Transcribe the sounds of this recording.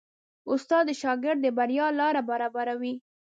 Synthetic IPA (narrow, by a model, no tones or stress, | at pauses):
ʊst̪ɑd̪ːəʃɑɡɪɾd̪̚d̪əbaɾjɑlɑɾabaɾɑbaɾawi